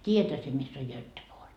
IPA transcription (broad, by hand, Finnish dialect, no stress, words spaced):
tʲiːjæthæ sie misː oj jøtːepoːr